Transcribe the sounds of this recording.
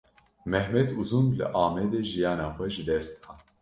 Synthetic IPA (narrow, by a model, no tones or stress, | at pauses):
mɛhmɛt̪ʰuzumlɨ̰ʔaːmɛd̪eʒijɑːnaːxʷɛʒɨd̪ɛst̪xɑːn